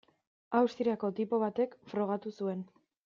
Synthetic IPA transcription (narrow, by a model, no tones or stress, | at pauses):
awst̪ɾiako̞t̪ipo̞β̞at̪e̞kfɾo̞ɣ̞at̪usue̞n